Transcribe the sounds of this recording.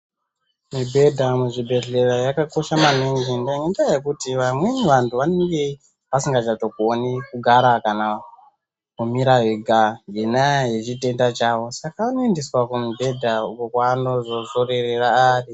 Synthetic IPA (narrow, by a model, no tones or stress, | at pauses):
mibʱe̞dʱamuʐibʱe̞ɮerajakako̞ʃamaneŋɡindaiŋɡendajekutiʋamweneʋantʰuʋaneŋɡe̞ | ʋasiŋɡat͡ʃato̞kuonikuɡʱaɾakana | kumiɾaɦiɡʱaŋɡenaɦet͡ʃite̞ndat͡ʃawo̞sakaanoendiswakumibʱe̞dʱaukokwaːno̞zo̞zorereraaːri